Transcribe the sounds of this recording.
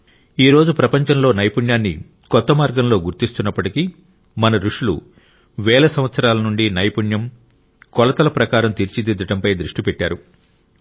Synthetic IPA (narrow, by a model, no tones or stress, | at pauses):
iːɾo̞ːd͡ʒupɾɐpɐɲt͡ʃɐmlo̞ːnɐjpuɳjaːnːḭ | kɔt̪ːɐmaːɾɡɐmlo̞ːɡuɾt̪ist̪unːɐpːɐʈiki | mɐnɐɾuʂulṵ | ʋɛːlɐsɐmʋɐt̪sɐɾaːlɐnuɳɖinɐjpuɳjɐm | kɔlɐt̪ɐlɐpɾɐkaːɾɐmt̪iːɾt͡ʃid̪id̪ːɐʈɐmpɐjd̪ɾuʂʈipɛʈːaːɾu